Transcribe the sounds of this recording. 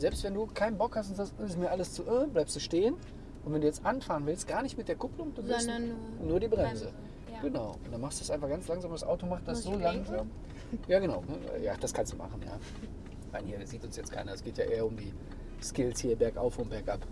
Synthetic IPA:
zɛlpstv̥ɛnduːkʰaɪnənbɔkhastʊntz̥aːstʔəɪsmiːɐʔaləst͡suːʔɛblaɪpsd̥uːʃteːən | ʔʊntv̥ɛnduːjɛt͡stʔanfaːʁənvɪlst̚ɡ̥aːɐnɪçtmɪt̚d̥eːɐkʰʊplʊŋd̥uzsnuːɐdiːbʁɛmzə | ɡ̥ənaʊʔʊntd̥anmaχstd̥udasʔaɪnfaχɡ̥ant͡slaŋzaːmdasʔa̰ʊtomaχtd̥asz̥olaŋzam | jaːɡənaʊnəɛ̰ja̰ːd̥askʰanstuːma̰χn̩ja̰ː | ma̰ɪnhiːɐziːtʊnsjɛt͡skʰa̰ɪnɐɛsɡ̥eːtja̰ːʔḛːɐʊmdiː | skɪlshiːɐbɛɐkʔa̰ʊfombɛɐkʔap

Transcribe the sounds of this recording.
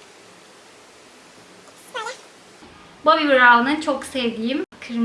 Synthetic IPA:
babibɯɾaːlˠɯnɯnt͡ʃʰoksɛvd̪ijimkʰɯɾm

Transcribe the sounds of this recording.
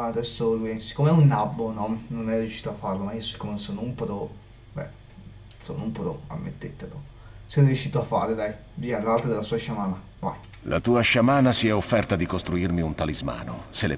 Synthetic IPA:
ad̪ɛsːoluisi̥kːoːmeɛunːabːonɔnonɛrjuʃi̥ːt̪oafːarlomaiosi̥kːomenonsonumpoɾo | bɛ̰ | so̰ːnumpoɾoa̰mːḛt̪ːet̪ːelo̰ | sɛrjuʃːiːt̪oafːa̰ːɾed̪aj | viːalːalt̪ed̪elasuːaʃamaːna | va̰j | lʔa̰t̪uːaʃamaːnasiɛofːɛrt̪ad̪ikost̪ɾuirmiunt̪alizma̰ːnoselḛ

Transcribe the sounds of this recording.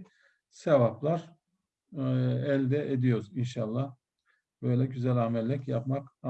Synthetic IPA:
sevaplˠaɾ | ɛlʲd̪ɛʔed̪ijo̞ɾzinʃalˠːah | bøjlʲɛɟyzælʲaːmɛlʲːɛcjapmak

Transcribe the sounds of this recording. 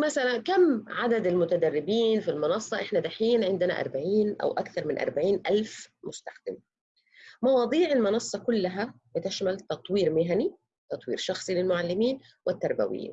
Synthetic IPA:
masalankamːʕad̪ad̪ɪlmʊt̪ad̪ærːɪbiːnfilmɑnɑsˤːɑʔɪħnad̪aħiːnʕɪnd̪ɪna̰ʔɑ̰ɾˤbaʕiːnʔa̰wʔakθɑɾˤmɪnʔɑ̰ɾˤbaʕiːnʔalfmʊst̪axd̪ɪm | mɑwɑːd̪ˤiːʕɪlmɑnɑsˤːɑkʊlːaɦabɪt̪ɪʃmalt̪ɑt̪ˤwiːɾmɪɦani | t̪ɑt̪ˤwḭːɾʃɑxsˤilɪlmʊʕalːɪmiːn | wʔɪt̪ːɑɾˤba̰wɪ̰jḭːn

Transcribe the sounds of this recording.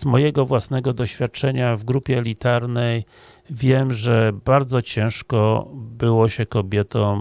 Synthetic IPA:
zmɔjɛɡɔvwasnɛɡɔd̪ɔɕfʲjat̪̚t͡ʂɛɲavɡɾupʲjɛːlʲit̪aɾnɛj | vʲjɛmʐɛbaɾd̪zɔt͡ɕɛ̃w̃ʂkɔbɘwɔɕɛkɔbʲjɛt̪ɔ̃m

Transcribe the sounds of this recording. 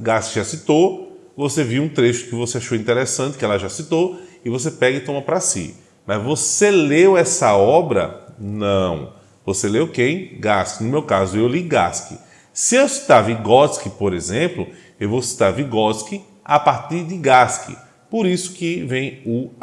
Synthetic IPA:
ɡaskɪʒasit̪o | voseviũt̪ɾeʃʊ̥kɪvoseaʃowĩnt̪eɾesɐ̃t̪ɪ̥kɪɛlɐʒasit̪oɪvos̬epɛɡɐɪt̪õmɐpɾasḭ | mɐzvoselewɛsɐɔbɾɐ̰nɐ̃w̃ | voselewkejɡaskɪnʊmewkazʊewliɡa̰skɪ̰ | sɪewsi̥t̪aviɡɔskɪpoɾezẽmplʊ | ewvosi̥t̪aɾviɡɔskɪ | apaɾt̪iɾd̪ɪɡaskɪ̰ | poɾisʊ̥kɪvẽj̃ʊ

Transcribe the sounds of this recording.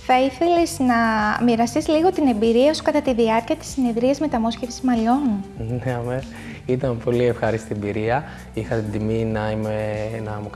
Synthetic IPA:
θɐiθe̞liznɐmiɾɐst̪izliɣo̞t̪ine̞mbiɾiɐsu̥kɐt̪ɐt̪iðiɐɾciɐt̪i̥sːine̞ðɾiɐzme̞t̪ɐmo̞sçefsi̥zmɐlo̞nneɐmes | it̪ɐnpo̞lie̞fxɐɾist̪iebiɾiɐ | ixɐt̪id̪iminɐimenɐmu

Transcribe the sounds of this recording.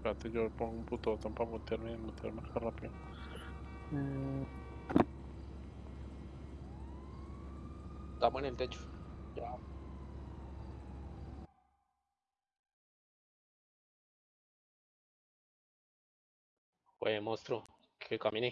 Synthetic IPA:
kat̪ed͡ʒopoŋɡumput̪ot̪ampamut̪eɾmiemut̪eɾmakarapio | d̪amoenelt̪et͡ʃo̥d͡ʒa | wemõst̪ɾo | kʰekamĩne

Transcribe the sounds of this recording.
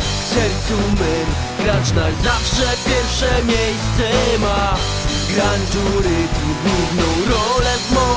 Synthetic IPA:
sɛɾt̪umbɛm | ɡɾat͡ʂnazafʂɛpʲjɛɾfʂɛmʲjejst̪sɛma | ɡɾaɲd͡ʒuɾɪt̪uɡwuvnɔ̃w̃ɾɔlɛzmɔ

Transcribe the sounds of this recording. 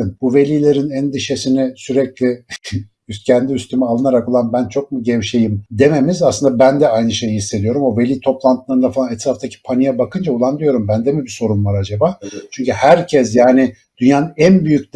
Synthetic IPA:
ɯnbuve̞lʲiːlʲeɾinænd̪iʃesinɪsyɾɛclʲɛ | yst̪cʰɛnd̪iyst̪ʰymɛalˠɯnaɾako̞lˠanbænt͡ʃʰo̞k̚muɟɛvʃe̞jimd̪e̞me̞mizasɯnd̪abænd̪ɛajnɯʃe̞jihisːe̞d̪ijo̞ɾumo̞ve̞lʲiːt̪ʰo̞plˠant̪ʰɯlˠaɾɯnd̪afalˠanɛt̪ʰɾaft̪ʰacʰi̥pʰanijɛbakɯnd͡ʒaulˠand̪ijo̞ɾumbænd̪ɛmibiso̞ɾunvaɾad͡ʒabaːt͡ʃʰyɲcyhæɾcʰɛsjaːnɪ | d̪̥ynjaːnnænbyjyc̪̚

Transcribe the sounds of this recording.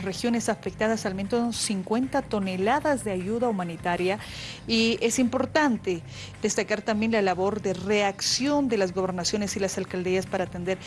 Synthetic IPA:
re̞xjo̞ne̞safek̚t̪aðasalment̪osonsiŋkwe̞nt̪at̪o̞ne̞laðazðe̞aʝuðaumanit̪aɾja | ie̞simpo̞ɾt̪ant̪e̞ | ð̥e̞st̪akaɾt̪ambje̞nlalaβo̞ɾðe̞re̞aksjo̞nd̪e̞lazɣo̞βe̞ɾnasjo̞ne̞silasalkald̪iaspaɾaːt̪e̞nd̪e̞ɾ

